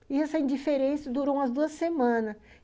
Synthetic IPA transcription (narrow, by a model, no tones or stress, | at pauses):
iɛsɐĩd͡ʒifeɾẽsɐd̪uɾõw̃ɐzd̪uɐssemɐ̃nɐs